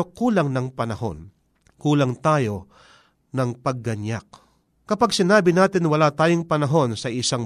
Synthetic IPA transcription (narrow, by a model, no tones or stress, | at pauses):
okuːlɐŋnɐŋpɐnɐho̞̰n | kuːlɐŋt̪aːjo̞ | nɐŋpɐɡ̚ːɐɲjak̚ | kɐpaɡsɪnaːbɪnaːt̪ɪnwɐlaːt̪aːjoŋpɐnɐɦo̞nsɐʔɪsaŋ